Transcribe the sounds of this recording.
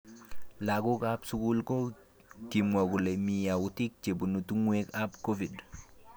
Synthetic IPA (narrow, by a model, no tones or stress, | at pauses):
laɡukapsukulko | kimwoɡulemijawutik̚t͡ʃebunutuŋwekapkofid